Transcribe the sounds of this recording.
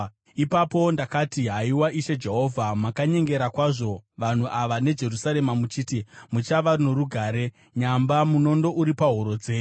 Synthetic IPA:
ipapo̞ndakatiɦaiwaʔiʃe̞d͡ʒe̞ɦo̞vʱamakaɲe̞ŋɡe̞ɾakwaʐo̞ʋan̤uʔaʋane̞d͡ʒe̞rusaɾe̞mamut͡ʃitimut͡ʃaʋarunoɾuɡʱaːɾe̞ | ɲambamuno̞ndo̞ʔuɾipaɦoɾo̞d͡ze̞ː

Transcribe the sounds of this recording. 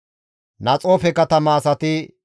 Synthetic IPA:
nɐt͡sʼoːfɛkɐt̪ɐmɐːsɐt̪ɪ

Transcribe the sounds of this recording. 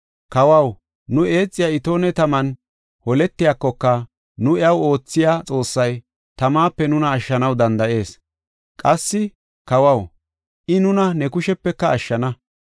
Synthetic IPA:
kɐwɐw | nʊe̞ːt͡sʼːɪjaːɪt̪o̞ːnɛt̪ɐmɐn | hɔlɛt̪ːɪjakːɔkːɐ | nʊɪɐwo̞ːt͡sːɪjaːt͡sʼo̞ːsːɐj | t̪ɐmaːpːɛnʊnɐːʃːɐnɐwd̪ɐnd̪ɐʔe̞ːs | kʼɐsːɪ | kɐwɐw | ʔɪnʊnɐnɛkʊʃɛpːɛkːɐːʃːɐnɐ

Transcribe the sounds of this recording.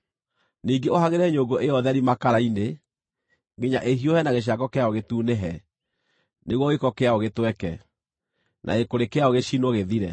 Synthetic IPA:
niːɡeohaɣeɾɛɲoɡoʔeɔðɛɾimakaɾaine | ŋɡeɲaʔeɦiohɛnaɣeɕ̬akɔkeaoɣetuːneɦɛ | neɣwɔɣekɔkeaoɣetwɛkɛ | nʔa̰ekoɾekeaoɣeɕinwɔɣeðiɾɛ̰

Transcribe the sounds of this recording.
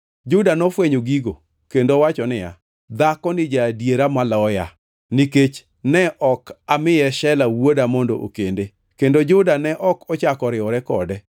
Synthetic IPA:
d͡ʒʊdanɔfweɲoɡiɡo | kendowat͡ʃɔnɪja̰ | d̪akɔnɪd͡ʒadjeɾamalɔɔja | niket͡ʃ | nɛʔɔkamɪjɛʃɛlawodamɔndo̰ʔo̰kende | kendod͡ʒʊdanɛʔɔkʰɔt͡ʃakɔɾɪɔɾɛkɔ̰dɛ

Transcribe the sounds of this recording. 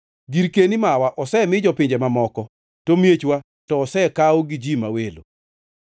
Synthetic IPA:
ɡiɾkenimawaʔɔsɛmɪd͡ʒɔpɪɲd͡ʒemamɔkɔ | tomjet͡ʃwa | tɔːsɛkaɔɡid͡ʒimawelo̰

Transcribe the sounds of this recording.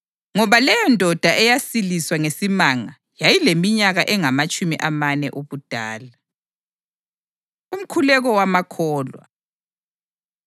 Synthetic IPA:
ŋɔβalɛjɔndʱɔd̥ʱaʔɛjasiliswaŋesimaŋa | jajilemiɲaɣaʔɛŋamat͡ʃʼumiʔamanɛ̰ʔoβud̥ʱaːla | um̩kʰulɛɣɔwamakʰɔːlwa̰

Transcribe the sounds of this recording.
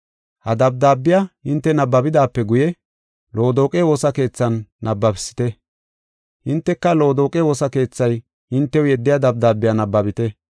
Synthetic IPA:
hɐd̪ɐb̚d̪aːbːɪjaʔɪnt̪ːɛnɐbːɐbɪd̪aːpːɛɡʊjɛ | lo̞ːd̪o̞ːkʼɛwo̞ːsɐke̞ːt͡sːɐnːɐbːɐbɪ̥sːɪ̥t̪ɛ | ʔɪnt̪ːɛkːɐlo̞ːd̪oːkʼɛwo̞ːsɐke̞ːt͡sːɐj | ɪnt̪ːɛwjɛd̪ːɪjad̪ɐb̚d̪aːbːɪjanɐbːɐbɪt̪ɛ

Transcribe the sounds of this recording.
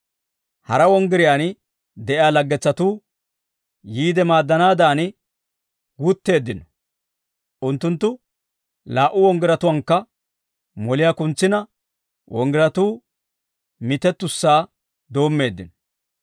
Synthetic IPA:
hɐɾɐwɔŋɡɪɾɪjaːn | d̪ɛʔjaːlɐɡːɛt͡sːɐt̪uː | jiːd̪ɛmaːd̪ːɐnaːd̪aːn | ɡut̪ːe̞ːd̪ːɪnɔ̥ | ʔʊnt̪ːʊnt̪ːʊ | laːʔʊwɔŋɡɪɾɐt̪ʊwɐŋkːɐ | mɔlɪjaːkʊnt͡sːɪnɐ | wʔɔŋɡɪɾɐt̪uː | mɪt̪ɛt̪ːʊsːaː | d̪o̞ːmːe̞ːd̪ːɪnɔ̥

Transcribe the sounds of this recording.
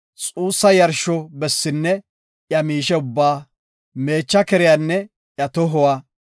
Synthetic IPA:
t͡sʼuːsːɐjɐɾʃɔbɛsːɪnːɛ | jɐmiːʃɛʊbːaː | me̞ːt͡ʃːɐkɛɾɪjanːɛ | ʔjɐt̪ɔɦɔwaː

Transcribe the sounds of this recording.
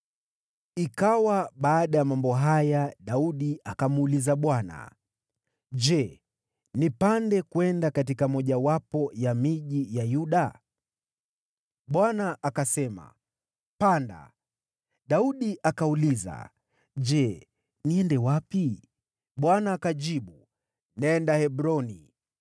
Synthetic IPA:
ikawaɓaːɗajamambɔɦajaɗauɗiʔakamulizaɓwana̰ | ʄɛ | nipandɛkwɛndakatikamɔʄawapɔjamiʄijajuɗa | ɓwanaʔakasɛma̰ | panda̰ | ɗauɗiʔakauliza̰ | ʄɛ | niɛndɛwapi | ɓwanaːkaʄiɓu | nɛndahɛbɾɔnḭ

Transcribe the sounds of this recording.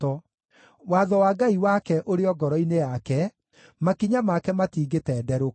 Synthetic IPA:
ɔ | waðɔwaːɡaiwakɛʔoɾeɔɡɔɾɔinejakɛ | makiɲamakɛmatiːɡetɛːdɛɾo

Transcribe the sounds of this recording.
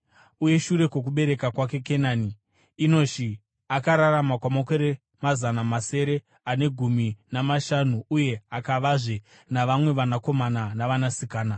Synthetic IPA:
uje̞ʃuɾe̞kwo̞k̬uɓe̞ɾe̞kakwak̬e̞kenaːniː | no̞ti | akaɾaɾamakwamakeɾe | mazanamase̞ɾe̞ | ane̞ɡʱuminamaʃanuuje̞akaʋaʐe | naʋamwe̞ʋanako̞mananaʋanasikaːna

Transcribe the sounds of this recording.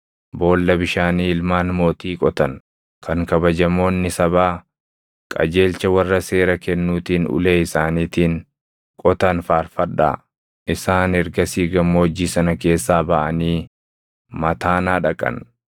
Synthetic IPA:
bo̞ːlːɐbɪʃaːniːɪlmaːnmo̞ːt̪iːkʼɔt̪ɐn | kʰɐŋkɐbɐd͡ʒɐmo̞ːnːɪsɐβaː | kʼɐ̰d͡ʒe̞ːlt͡ʃɐwɐrːɐse̞ːɾɐkɛnːuːt̪iːnʊ̰leːɪsaːniːt̪iːn | kʼɔt̪ɐnfaːɾfɐᶑːa̰ː | ʔɪsaːnɛɾɡɐsiːɡɐmːoːd͡ʒiːsɐnɐke̞ːsːaːbɐʔɐniː | mɐt̪aːnaːᶑɐkʼɐ̰n

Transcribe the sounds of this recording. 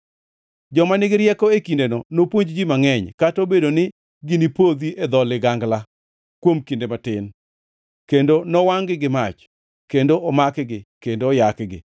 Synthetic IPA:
d͡ʒɔmanɪɡɪɾjɛkɔekindenɔnopwoɲd͡ʒd͡ʒimaŋɛɲkatobedonɪ | ɡɪnipod̪iʔed̪ɔlɪɡaŋɡla | kwomkindematɪn | kendonɔwaŋɡɪɡɪmat͡ʃ | kendoʔɔmakɡɪkendoːjakɡɪ̰

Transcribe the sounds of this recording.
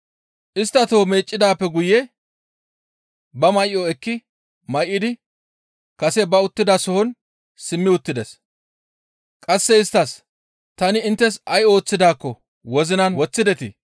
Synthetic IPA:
ʔɪst̪ːɐt̪oːme̞ːt͡ʃʼːɪd̪aːpːɛɡʊjɛ | bɐmɐjoɛkːɪ | mɐjʔɪd̪ɪ | kɐsɛbɐʊt̪ːɪd̪ɐsɔhɔn | sɪmːɪʊt̪ːɪd̪ɛs | kʼɐsːɛɪst̪ːɐs | t̪ɐnɪːnt̪ːɛsɐjo̞ːt͡sːɪd̪aːkːɔ | wɔzɪnɐnwɔt͡sːɪd̪ɛt̪ɪ̰

